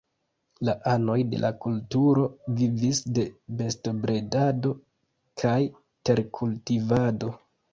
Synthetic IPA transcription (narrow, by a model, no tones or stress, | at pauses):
laʔano̞jde̞̰lʔakultuɾo̞vivisde̞be̞sto̞bɾe̞dado̞ | kʰaj | te̞ɾkʰultivado̞